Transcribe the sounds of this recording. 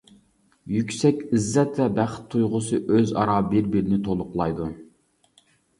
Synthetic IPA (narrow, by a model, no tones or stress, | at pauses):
jykʲsɛkʲizːɛt̪ːɛbæχt̪ʰːujʁʊsɨʔøzɑ̰ɾɑbɪɾbɪɾnɪt̪ʰolˠʊqlˠɑjd̪u